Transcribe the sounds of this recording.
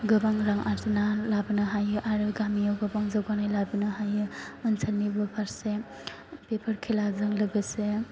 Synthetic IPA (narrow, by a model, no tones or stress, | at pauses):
ɡɯbaŋɾaŋʔaɾzinalabɯnɯɦajɯʔaɾɯɡamijawɡɯbaŋzaɡanajlabɯnɯɦajɯənsʰalnibɯpʰaɾse | pepʰəɾkʰilazɯŋlɯɡɯse